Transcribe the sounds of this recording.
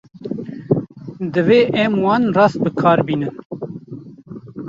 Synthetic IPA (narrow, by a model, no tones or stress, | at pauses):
d̪ɨveːʔɛmwɑːnrɑːst̪̚bɨkʰɑːɾbiːnɨn